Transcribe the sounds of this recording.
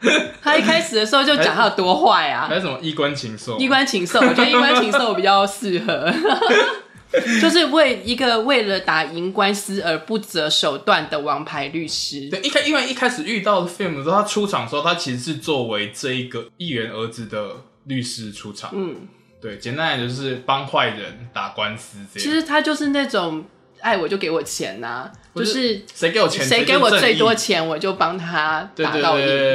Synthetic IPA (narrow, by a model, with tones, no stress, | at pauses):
t̪ʰa˥i˥˩kʰa˥ɪʂɻ̩˨˩d̪ə˩ʂɻ̩˧˥o˥˧t͡ɕo˥˩ʊt͡ɕjŋjɑ˥˧˩t̪wɔ˥xwa˥˩a̰˩a˥jə˩mə˦i˦˥kwa˦nt͡ɕʰi˧˥˦ŋso˥˨i˥kwa˦nt͡ɕʰi˧˥ŋso˥˨˩t͡ɕə˧˥kwa˥t͡ɕʰi˧˥ŋso˥˩ʊpi˨˩t͡ɕɑ˥˧ʊsɹ̩˥˩xɤ˧˦ | t͡ɕjo˥˧ʊʂ̬ɻ̩˥˧we˥˩ɪi˧˥ɡə˨we˥˩ɪlə˨˩t̪a˨˩i˧˥ŋkwa˥˦ns̩˥ə˨˧˥pu˥˩t͡sə˧˥ʂo˨˩ʊt̪wa˥˨nd̪ə˩wɑ˧˥˦ŋpʰa˧˥ɪly˥˩ʂɻ̩˥e˥˩˨i˥˧kʰa˥i˥wa˥˧˩i˥˩kʰa˥ɪʂɻ̩˨˩y˥˧t̪ɑ˥˩ʊdə˩fe˥˩mu˨˩˧t̪ʰa˥ʈ͡ʂʰu˦ʈ͡ʂʰɑ˨˩ŋʂ̩˧˥o˥˩t̪ʰa˥t͡ɕʰi˧˥ʂ̩˧˥ʂɻ̩˥˧t͡swɔ˥˨˩we˦ɪʈ͡ʂɤ˥˧i˧˥ɡə˨i˥˩ɥɛ˨˧˥nə˧˥t͡sɹ̩˨d̪ə˨ | ly˥˨˩ʂɻ̩˥ʈ͡ʂʰu˦ʈ͡ʂʰɑ̰˨˩ŋnn̩˥˩ | t̪we˥˩ɪt͡ɕjɛ˨˦nt̪a˧˥na˨˩t͡ɕjo˥˧ʊʂɻ̩˥˩pɑ˦ŋxwa˥˩ɪɻə̰˧˦nt̪a˨˩kwa˦ns̩ʰ˦˥˧i˧˥ʂɻ̩˧˥t̪ʰa˥t͡ɕjo˥˧ʊʂɻ̩˥˧na˥˩ʈ͡ʂʊ˨˩ŋ | a˥˩ɪwɔ˨˩t͡ɕjo˥˩ʊke˧˥ɪwɔ˨˩t͡ɕʰjɛ̰˧˦˥na̰˨t͡ɕjo˥˧ʊʂɻ̩˥˩ʂe˧˥ɪke˧˥ɪwɔ˨t͡ɕʰjɛ˧˦nʂe˧˥ɪ˥ke˧ɪwɔ˨˩˥we˥˩ɪt̪wɔ˥t͡ɕʰjɛ˧˦nwɔ˨˩t͡ɕjo˥˩ʊpɑ˥ŋt̪ʰa˥t̪wḛ˥˧˨t̪w̪ɑ˥˧ʊ˥i˥